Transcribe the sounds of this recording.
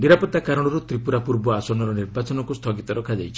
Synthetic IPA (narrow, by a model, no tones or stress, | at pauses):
niɾapɔt̪ːakaɾɔɽ̃ɔɾut̪ɾipuɾapuɾbɔasɔnɔɾɔniɾbat͡ʃɔnɔŋkust̪ʰɔɡit̪ɔɾɔkʰad͡ʒajt͡ʃʰi̥